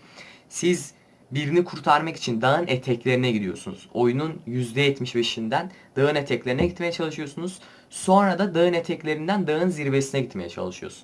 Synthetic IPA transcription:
siz | biɾinikʰuɾt̪ʰaɾmaki̥t͡ʃʰind̪aɯnet̪ʰɛclʲe̞ɾinɛɟid̪ijo̞sunṵz̥o̞jununjyzd̪ɛjɛt̪miʃbe̞ʃind̪ænd̪̥aɯnet̪ʰɛclʲe̞ɾinɛɟit̪me̞jɛt͡ʃʰalˠɯʃɯjo̞sunuz̥ | so̞nɾad̪ad̪aɯnet̪ʰɛclʲe̞ɾind̪ænd̪aɯnziɾbesinɛɟit̪me̞jɛt͡ʃʰa̰lˠɯʃɯjo̞̰sun

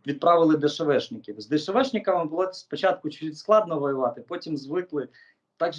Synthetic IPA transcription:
ʋʲid̪̚pɾɑʋɪlˠɪd̪eʃɔʋɛʃnʲɪkʲizd̪eʃɔʋɛʃnʲɪkɐmɪbʊlˠɔspɔt͡ʃɑt̪̚kʊt͡ʃiisklˠɑd̪nɔʋɔjʊʋɑt̪ɪpɔtʲimzʋɪklˠɪ | t̪ɑɡʒ

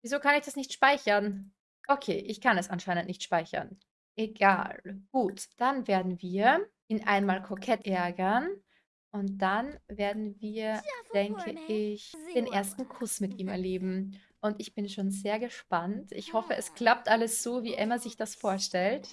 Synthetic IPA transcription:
viːzoːkʰanɪçd̥asnɪçtʃpaɪçɐn | ʔokʰḛːʔɪçkʰanɛsʔanʃaɪnəntnɪçtʃpaɪçɐ̰n | ʔeɡa̰ːlɡ̥uːtd̥anveːɐdn̩viːɐʔiːnʔa̰ɪnmaːlkʰɔkʰɛtʔɛɐɡɐn | ʔʊnt̚d̥anveːɐdn̩viːɐd̥ɛŋkʰəɪçd̥eːnʔeːɐstn̩kʰʊsmɪtʔiːmɛɐleːbm̩ | ʔʊntɪçb̥ɪnʃoːnzeːɐɡəʃpantʔɪ̰çhɔfəʔɛskʰl̥ap̚tʔaləsz̥oːviːʔɛmɐzɪçd̥asfoːɐʃtɛlt

